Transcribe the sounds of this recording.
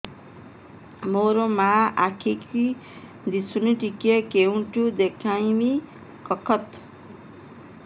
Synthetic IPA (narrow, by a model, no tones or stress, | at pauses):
moɾomaakʰikʰi | d̪isuniʈikjekeuɳʈud̪ekʰãjmi | kʌkʰʌt̪